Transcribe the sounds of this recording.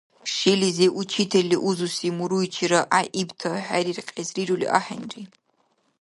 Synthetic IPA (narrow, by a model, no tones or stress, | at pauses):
ʃilizeʔut͡ʃʰitʰɐliʔuzusimuɾujt͡ʃʰiɾaʔaʔibtʰɐħʷaɾirqʲʼezrirulḭʔa̰ħa̰nri